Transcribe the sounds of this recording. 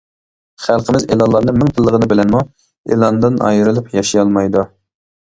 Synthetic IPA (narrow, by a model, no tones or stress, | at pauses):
χælˠqəmɪzelˠɑlˠɑɾnɨŋmɪŋt̪ʰɨlˠːəʁənɨbɪlɛnmu | ḛlˠɑnd̪ɨnɑ̰jɨɾɨlˠɨpjɑʃijɑlˠmɑjd̪u